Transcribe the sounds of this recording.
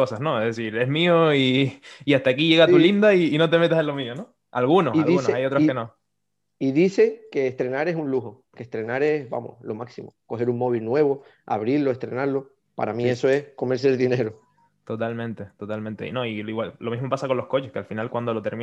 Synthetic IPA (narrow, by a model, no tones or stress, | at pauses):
osaɦnoeɦðesiɾe̞ɦmioiːaht̪aːkiʝe̞ɣat̪ulind̪aiːno̞t̪e̞me̞t̪aselo̞miono | a̰lɣunosalunosajot̪ɾokenõ | iðise̞ke̞ːht̪ɾe̞naɾe̞sunluɦo | keht̪ɾe̞naɾe̞sba̰mo̰hlo̞maksimo̰ko̞ɦe̞ɾuŋmo̞β̞ilnwe̞βo | a̰βɾiɾlo̞eht̪ɾe̞̰naɾlo | pa̰ɾamĩesoe̞sko̞me̞ɾs̬eɾðine̞ɾo | t̪ot̪almẽnt̪e̞t̪o̞t̪almẽnt̪e̞inõ̞iiɣwallo̞miɦmopasako̞nlo̞hko̞t͡ʃehkealfinalkwand̪o̞lot̪e̞ɾmĩ